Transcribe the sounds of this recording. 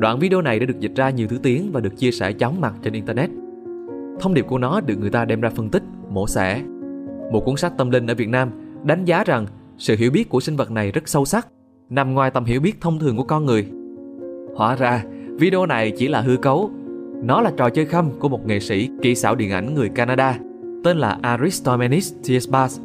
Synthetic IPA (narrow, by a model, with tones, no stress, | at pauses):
ɗwa̰ː˧˨nvi˧ɗi˧o˧na˨˩jaː˧˥ɨ˨˩əzi˨˩t̟̚zaː˧ɲi˨˩wt̪ʰɨ˨˦t̪i˨˦ənvaː˨˩ɗɨ˨˩ək̚t͡ɕi˧əsɛ̰˧˩t͡ɕɔ˨˦wŋ͡mma˨˩t̚t͡ɕe˧nʔi˧nt̪əː˧nɛ˦˥t̚ | t̪ʰə˧wŋ͡mɗi˨˩əp̚ku˧˩ənɔ˨˦ɗɨ˨˩əkŋɨ˨˩əjt̪aː˧ɗɛ˧mzaː˧fə˧nt̪ï˦˥k̚mo̰˧˩sɛ̰˧˩ | mo˨˩t̚kwu˨˦ənsa˦˥k̚t̪ə˧mlï˧ŋ̟ʔəː˧˩vi˨˩ət̚naː˧mɗa˨˦ŋ̟zaː˨˦za˨˩ŋ | sɨ̰˧˨ɦḭ˧˩əwɓi˦˥ət̚ku˧˩əsï˧ŋ̟və˨˩t̚na˨˩jzə˦˥t̚sə˧wsa˦˥k̚ | na˨˩mŋwaː˨˩jt̪ə˨˩mɦi˧˥əwɓi˦˥ət̚t̪ʰə˧wŋ͡mt̪ʰɨ˨˩əŋku˧˩əkɔ˧nŋɨ˨˩əj | hwa̰ː˧˩zaː˧vi˧ɗə˧o˧na˨˩jt͡ɕi˧˩laː˨˩ɦɨ˧əkə˨˦w | nɔ˨˦laː˨˩t͡ɕɔ̰˨˩t͡ɕəː˧jxə˧mku˧˩əmo˨˩t̚ŋḛ˨˩sḭ˧˩kḭ˧˩saː˧˩wɗḭ˧˨ənʔa̰˧˩jŋ̟ŋɨ˨˩əjkaː˧naː˧ɗaː˧ | t̪e˧nlaː˨˩ʔaː˧ɾi˦˥st̪ɔ˧mɛ˧ni˦˥st̪ʰi˧˥sɓaː˧˦s